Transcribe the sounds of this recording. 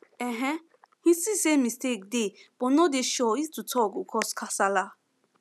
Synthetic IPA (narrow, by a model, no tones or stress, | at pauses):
ɛ̃ɦɛ̃ | hĩsisemistek̚deb̥ɔnɔdeʃɔistutʰɔkukʰɔskʰasala